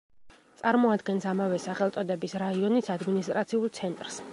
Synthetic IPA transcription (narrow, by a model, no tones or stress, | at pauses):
t̪sʼaɾmɔad̪ɡɛnsamavɛsaχɛlˠt̪sʼɔd̪ɛbisɾaiɔnisad̪minist̪ʼɾat̪sʰiulˠt̪sʰɛnt̪ʼɾs